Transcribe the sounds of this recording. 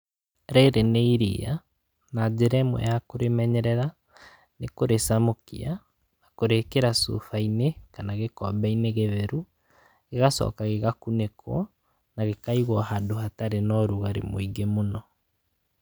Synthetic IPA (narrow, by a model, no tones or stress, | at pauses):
ɾɛɾeneiɾḭa | nad͡ʑeɾɛmwɛ̰jakoɾemɛɲɛɾɛɾa | nekoɾesamokḭa | nakoɾekeɾasṵfainekanaɣekɔbɛineɣeβɛɾu | ɣeɣasɔ̰kaɣeɣakunekʰwɔ | naɣekaiɣwɔɦadohataɾenɔɾuɣaɾḛmo̰iɡemonɔ